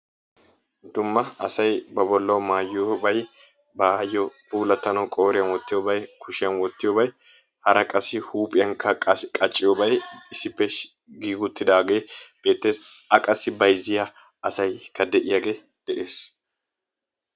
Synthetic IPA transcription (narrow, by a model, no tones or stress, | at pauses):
d̪ʊmːɐɐsɐjbɐbɔlːɐwmaːjːobɐj | bajːɔpuːlɐt̪ːɐnɐwkʼo̞ːɾɪjɐnwɔt̪ːɪjobɐjkʰʊʃɪjɐnwɔt̪ːɪjoːbɐj | hɐɾɐkʼɐsɪhuːpʼɪjɐnkɐkʼɐt͡ʃʼːɪjoːbɐjɪsːɪpːɛ | ɡiːɡʊt̪ːɪd̪aːɡe̞ːb̥e̞ːt̪ːe̞ːs | ɐkʼɐsːɪbɐjzɪja | ɐsɐjkɐd̪ɛʔɪjaɡe̞ː | d̪̥ɛʔe̞ːs